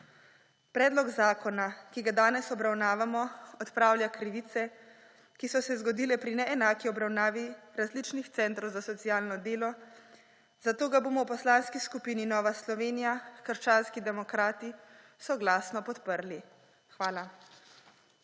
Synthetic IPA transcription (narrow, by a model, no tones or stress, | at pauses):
pɾɛːd̪lɔɡzaːkɔnakiɡad̪aːnɛsɔbɾawnaːʋamɔɔt̪pɾaːwljakɾiʋiːt̪sɛ | kisɔsɛzɡɔd̪iːlɛpɾinɛɛnaːkiɔbɾawnaːʋiɾazlit͡ʃnixt̪sɛnt̪ɾɔwzasɔt̪sijaːlnɔd̪eːlɔ | zat̪oːɡaboːmɔwpɔslaːnskiskupiːninɔːʋaslɔʋeːnijakəɾt͡ʃaːnskid̪ɛmɔkɾaːt̪i | sɔɡlaːsnɔpɔt̪pəɾli | xʋaːla